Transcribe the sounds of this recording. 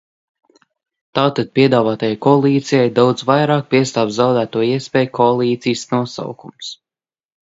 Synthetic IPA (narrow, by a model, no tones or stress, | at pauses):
t̪aːt̪ad̪̚pʲiɛd̪aːvaːt̪ajajkɔalˠiːt̪sijajd̪awd̪zvajɾaːk̚piɛst̪aːvzzawd̪æːt̪uɔiɛspʲɛːjkʰɔalˠiːt̪sijsnuɔsa̰wkums